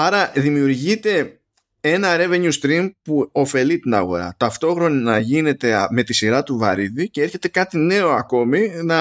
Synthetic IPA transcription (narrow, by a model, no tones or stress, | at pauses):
ɐɾɐðimiuɾʝit̪e̞ | e̞nɐɾe̞ve̞ɲust̪ɾimpuo̞fe̞lit̪inɐ̰ɣo̞̰ɾɐ̰t̪ɐft̪o̞xɾo̞ninɐʝine̞t̪e̞me̞t̪isiɾɐt̪uvɐ̰ɾiðice̞e̞ɾçe̞t̪e̞kɐt̪ine̞o̞ɐko̞minɐ